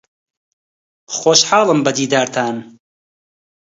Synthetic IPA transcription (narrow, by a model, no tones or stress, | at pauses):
xoːʃħɑːlˠɨmbɐd̪iːd̪aːɾt̪ʰaːn